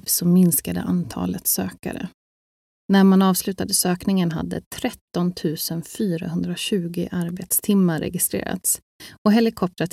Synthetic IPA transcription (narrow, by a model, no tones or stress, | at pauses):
sɔmɪnskad̪ə̰ʔant̪ʰɑ̰ːlət̪søːka̰ɾə̰ | næɾmanɑːvslʉ̟ːt̪ad̪əsøːknɪŋənɦa̰d̪ːə̰t̪ʰɾɛt̪ːɔnt̪ʰʉ̟ːsənfyːɾa̰ɦɵnd̪ɾaɕʉ̟ːɡɪʔaɾbeːt̪st̪ʰɪmːaɾɛ̰ɡɪst̪ɾḛːɾa̰t̪s | ɔɦɛlɪkʰɔp̚t̪ɾat̪